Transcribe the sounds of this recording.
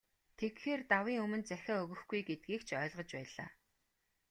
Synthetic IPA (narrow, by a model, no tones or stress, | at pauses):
t̪ʰekxeːrt̪awiːŋɵmɵ̆nt͡sæxʲaːɵɣɵ̆xɡujɡet̪̚ɡiːkt͡ɕʰœːɮʁə̆t͡ɕpæːɮa̰ː